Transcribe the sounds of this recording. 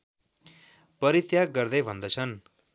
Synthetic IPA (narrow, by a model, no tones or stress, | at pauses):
pʌɾit̪jaɡɡʌrd̪ʌjbʱʌnd̪ʌt͡sʰʌn